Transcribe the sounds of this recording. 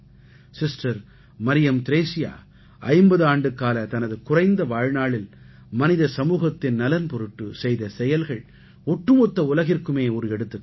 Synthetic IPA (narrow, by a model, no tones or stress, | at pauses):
sɪsʈɐɾ | mɐɾɪjɐmt̪ɪɾeːsɪja̰ː | ʔɐɪmbɐðaːɳɖɯkaːlɐt̪ɐnɐðɯkʊrɐɪnd̪ɐʋaːɻnaːɭɪl | mɐnɪðɐsɐmuːɣɐt̪ːɪnnɐlɐnpɔɾɯʈːɯsɛjðɐsɛjɐlɣɐɭ | ɔʈːrɯmɔt̪ːɐʊlɐɣɪrkɯmeːɔɾɯɛɽɯt̪ːɯ